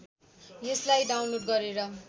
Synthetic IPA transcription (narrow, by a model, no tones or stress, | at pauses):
jeslajɖawnloɖ̚ɡʌɾeɾʌ